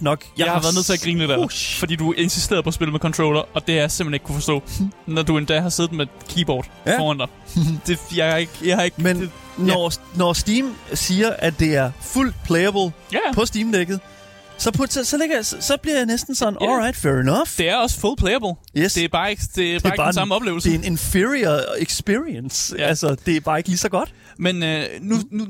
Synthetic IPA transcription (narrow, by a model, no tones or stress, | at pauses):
nɒ̽ɡ̥jɑ̈ɪhɑ̈ʋæɐðˠnḛt͡sʰe̝æɡ̥ʁḭːnəded̥æfɒd̥ḭːd̥uæe̝nsisd̥e̝̰ɐðˠpʰɒ̽sbe̝ləmekʰɒ̽nt͡sʰʁo̰ʊlɐɒ̽d̥e̝hjasem̥eneɡ̥kʰufɒ̽sd̥ɔ̰ːnɒd̥ue̝nd̥ɛ̰ɦɑ̈se̝ːð̩̥me | kʰiːb̥ɒ̰ːd̥fɒ̰ːænd̥ɑ̈ɪd̥e̝jɑ̈ɪe̝ɡ̥jɑɪhɑ̈eɡ̥men | nɒnɒsd̥iːmsiːɐʔæd̥e̝æɐful̰d̥̚pʰleɪəb̥l̩ | pʰɒ̽sd̥iːmd̥eɡ̥ð̩ˠ | sɒ̽pʰɒt͡sʰesɒleɡ̥ɐjssɒ̽b̥liɐ̰jɑ̈ɪnesd̥n̩sɒ̽n̩ʔɒlʁɑ̈ɪd̥fɛɹinɒfd̥e̝æɐɒ̽sə̥fulpʰleɪɐb̥l̩ | jesd̥̝æɐb̥ɑ̈ːeɡ̥d̥e̝b̥ebɑ̈ːsɑ̈məɒ̽b̥le̝ːʊl̩sd̥e̝ene̝nfiiɐðˠeɡ̥sb̥iɐiənsælsɐd̥e̝æɐb̥ɑ̈ːe̝ɡ̥əliːsɒ̽ɡ̥ɒ̽d̥ | mennunu